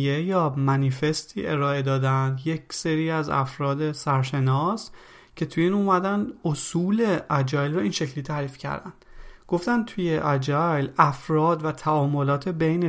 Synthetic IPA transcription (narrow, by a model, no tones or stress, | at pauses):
jejɒːmænife̞st̪ʰiːʔe̞ɾɒːe̞d̪ɒːd̪ænd̪je̞cʰseɾiːæzæ̰fɾɒːd̪e̞sæɾʃe̞nɒːs | cʰe̞t̪ʰujiːnuːmæd̪ænd̪osuːle̞ʔæd͡ʒɒːlrɒiːnʃe̞cʰliːt̪ʰæɾiːfcʰæ̰ɾd̪æ̰nd̪̥ɡ̥o̞ft̪ænd̪̚t̪ʰujeʔæd͡ʒɒjlæfɾɒːd̪væt̪ʰæɒːmo̞lɒːt̪ʰebejne